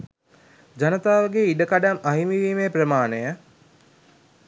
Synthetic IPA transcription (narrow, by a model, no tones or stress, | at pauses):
d͡ʒanət̪aːʋəɡeiɖəkaɖamɐɦimiʋiːmeprəmaːnəjə